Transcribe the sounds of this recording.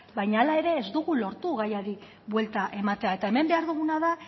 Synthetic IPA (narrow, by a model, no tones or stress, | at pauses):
bajɲaːlae̞ɾe̞ːzd̪uɣulo̞ɾt̪uɣajaði | βwe̞lt̪aʔe̞mat̪e̞ae̞t̪ae̞me̞mbe̞aɾðuɣ̞unaða